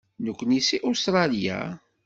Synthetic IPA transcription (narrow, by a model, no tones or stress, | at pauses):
nəkʷːnisiʔust̪ɾˤɑlija̰